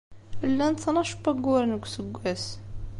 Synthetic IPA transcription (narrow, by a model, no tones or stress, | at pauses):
lːænt̪ˤːnɑʃbæɡuɾnəɡʷsəɡʷːæs